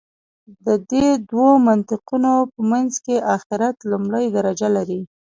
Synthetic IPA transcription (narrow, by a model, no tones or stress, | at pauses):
d̪əd̪ed̪womant̪ɪqunopəmanzkeʔaxɪɾat̪lumɽəjd̪aɾad͡ʒalaɾi